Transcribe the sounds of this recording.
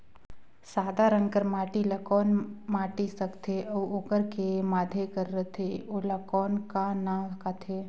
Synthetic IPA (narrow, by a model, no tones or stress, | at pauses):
saːd̪aɾə̃ŋkəɾmaːʈilɐkɔːnmaːʈisɐkt̪ʰeɔʋokəɾkemaːd̪ʱekəɾːət̪ʰeolakɔːnkanakaːt̪ʰeː